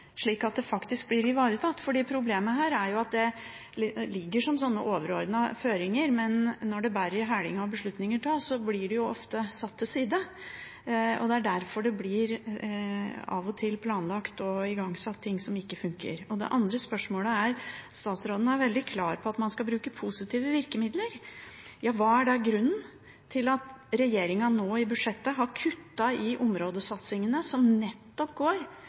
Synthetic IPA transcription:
ʂɭiːkɑt̪̚d̪ɛfɑkt̪ɪsk̚blɪɾɪʋɑːɾət̪ʰɑt̪ːfɔɖiːpʰɾʊbleːməhæːɾæɾjʊɑt̪̚d̪ɛ | lɪɡːəʂɔmsɔnːəʔoːʋəɾɔɾd̪nəføːɾɪŋəɾmɛnːɔɖɛbæːɾəɾɦæːɽɪŋɑɔbəʂɭʉt̪nɪŋəʈɑːsɔblɪɖɛjʊɔft̪əsɑt̪ʰːɪsiːd̪ə | ɔ̰d̪ɛæɖæɾfɔɖɛblɪɾ | ɑ̰ʋɔt̪ʰɪlpʰlɑːnlɑkt̪ɔɪɡɑŋsɑt̪ʰːɪŋːsɔmɪkːəfʉŋkə̰ɾɔd̪ɛ̰ʔɑnd̪ɾəspœʂmoːləæɾst̪ɑːt̪sɾoːd̪n̩æɾʋɛld̪ɪkʰlɑːɾpʰɔɑt̪mɑnskɑbɾʉːkəpʰusɪt̪ʰiːʋəʋɪɾkəmɪd̪ləɾjɑːʋɑːæɖɑɡɾʉnːn | t̪ʰɪlɑt̪ɾɛjeːɾɪŋɑnoːɪbʉd̪ʂɛt̪ːəɦɑɾkʰʉt̪ːɑɪʔɔmɾoːd̪əsɑt̪sɪŋənəsɔmnɛt̪ːɔpɡoːɾ

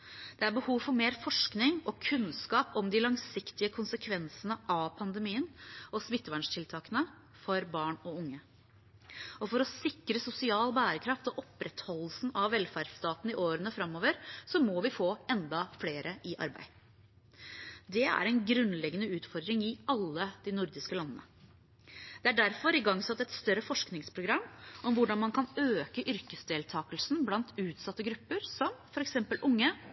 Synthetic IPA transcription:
d̪̥ɛæɾbəhuːʋfɔɾmeːɾfɔʂknɪŋɔkʰʉnskɑːpɔmd̪ɪlɑŋsɪkt̪ɪəkʰʊnsəkʰʋɛnsənəʔɑʋpʰɑnd̪əmiːənɔsmɪt̪ːəʋæɳʂʈʰɪlt̪ʰɑːkənə | fɔɾbɑːɳɔʊŋːə | ɔfɔɾɔsɪkɾəsʊsɪɑːlbæːɾəkʰɾɑft̪ɔʔɔpɾɛt̪hɔlːsn̩ɑʋʋɛlfæɖst̪ɑːt̪n̩ɪʔoːɾənəfɾɑmːoːʋəɾsɔmɔʋɪfoːɛnd̪ɑfleːɾʔəʔɪʔɑ̰ɾbæ̰ɪ | d̪ɛæ̰ɾɛɪnɡɾʉnlɛɡːənəʉːt̪fɔɾd̪ɾɪŋɪɑlːəd̪̥ɪnʊɾd̪ɪskəlɑnːənə̰ | d̪̥ɛæɖæɾfɔɾɪɡɑŋːsɑt̪ːɛt̪st̪œɾəfɔʂknɪŋspʰɾʊɡɾɑmːʔɔmʋʊɖɑnmɑnkʰɑnøːkəʔʏɾkəsd̪eːlt̪ʰɑːkəlsn̩blɑnt̪ʉːt̪sɑt̪ːəɡɾʉpːəɾsɔmfɔɾɛksɛmpəlʔʊŋːə

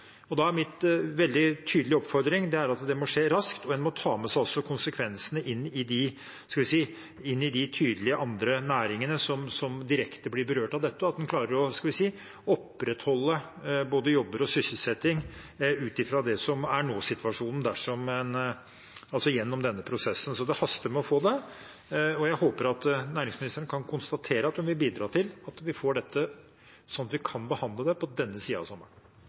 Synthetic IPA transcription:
ɔd̪ɑæɾmɪnʋɛld̪ɪt̪ʰyːd̪l̩ɪəɔpfɔɾd̪ɾɪŋd̪ɛæɾɑt̪d̪ɛmɔʂeːɾɑskt̪ɔɛnmɔt̪ʰɑːmɛsæɪɔsɔkʰʊnsəkʰʋɛnsənəʔɪnːɪd̪ɪ | skɑlʋɪsiː | ɪnːɪd̪ɪt̪ʰyːd̪əlɪəʔɑnd̪ɾənæːɾɪŋənəsɔmsɔmd̪ɪɾɛkt̪əblɪɾbəɾøːʈɑʋd̪ɛt̪ːəɑt̪d̪ɛnkʰlɑːɾəɾɔskɑlʋɪsiː | ɔpːɾɛt̪hɔlːə | boːd̪əjɔbːəɾɔsʏsəl̩sɛt̪ːɪŋ | ʉːt̪ɪfɾɑd̪ɛsɔmæɳoːsɪt̪ʋɑʂuːnən̩d̪æʂɔmɛn | ɑlsɔjɛnːɔmd̪ɛnːəpʰɾʊsɛsːən̩sɔd̪ɛhɑst̪əɾmɛɔfoːd̪ɛ | ɔjæɪhoːpəɾɑt̪næːɾɪŋsmɪnɪst̪ɾənkʰɑnkʰʊnst̪ɑt̪ʰeːɾəɑt̪̚d̪ɛmʋɪlbiːd̪ɾɑːʈʰɪlɑt̪ʋɪfoːɖɛt̪ʰːə | sɔnːɑt̪ʋɪkʰɑnbəhɑnd̪ləd̪ɛpʰɔd̪ɛnːəsiːɑ̰ʋsɑmːəɳ

